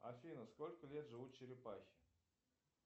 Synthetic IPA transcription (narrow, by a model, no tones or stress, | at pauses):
a̰fʲinəskolʲkəlʲet̪ʐɨvut̪̚t͡ɕɪɾʲɪpaxʲɪ̥